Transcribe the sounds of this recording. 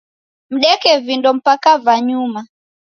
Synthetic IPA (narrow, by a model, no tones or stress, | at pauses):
m̩ɗɛkɛvindɔm̩pakavaɲuma